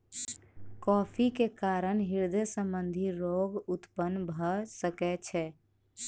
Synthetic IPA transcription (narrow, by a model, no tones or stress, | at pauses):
kɔpʰikekaɾənɦiɾd̪esə̃mbənd̪ʱiɾoɡut̪pənːbʱəsəkɛt͡ʃʰɛ